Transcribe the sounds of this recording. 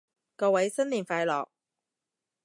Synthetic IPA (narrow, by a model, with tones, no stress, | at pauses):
kɔː˧wɐ˨˥jsɐ˥nliː˨˩nfaː˧jlɔ̰ː˨k̚